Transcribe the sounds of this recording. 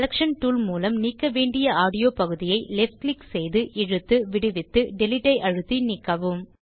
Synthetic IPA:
lɐkʂɐnʈuːlmuːlɐmniːkːɐʋeːɳɖɪjɐaːɽɪjoːpɐɣɯðɪjɐɪlɛfʈlɪksɛjðɯʔɪɻɯt̪ːɯʋɪɽɯʋɪt̪ːɯɖɛlɪʈːɐɪʔɐɻɯt̪ːinɪkːɐʋɯm

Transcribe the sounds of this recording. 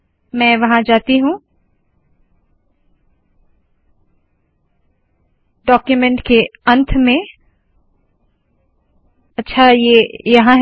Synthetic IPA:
mɛ̃ːʋɐɦãd͡ʒaːt̪iɦũ | ɖɔːkjumɛ̃ɳʈkeɐ̃nt̪ʰmẽ | ɐtːʃʰajeːjɐɦãɦ

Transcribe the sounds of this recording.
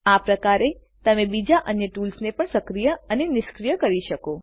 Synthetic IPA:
apɾəkaɾe | t̪əmẽbid͡ʒaʔənjəʈulsnepəɳsəkɾijəənenɪʃkɾijəkəɾiʃəko

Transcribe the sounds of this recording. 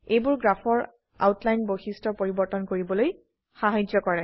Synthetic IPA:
ejbʊɹɡɹapʰɔɹ | a̰wtlajnboxistʰɔpoɹibɔɹtɔnkoɹibɔloj | xaɦajd͡ʒɔkɔɹɛ

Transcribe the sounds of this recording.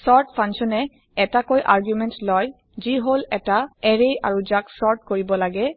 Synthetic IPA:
sɔɹtpʰãŋsɔnɛ | ɛtakojʔaɹɡjumɛntlɔj | ziɦolɛtaɛɹeaɹuzaksɔɹt̚koɹibɔlaɡɛ

